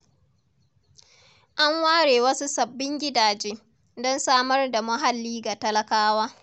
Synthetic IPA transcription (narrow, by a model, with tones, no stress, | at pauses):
ʔa˦ŋwaː˦ɽeː˨wɐ˦su˦sɐ˨bːɪ˦ŋɡʲɪ˦daː˨d͡ʒeː˦ | dɔ˦nsaː˦mɐ˦rda˨mɐ˦ɦa˨lːiː˦ɡa˨tɐ˦lɐ˦kaː˦waː˦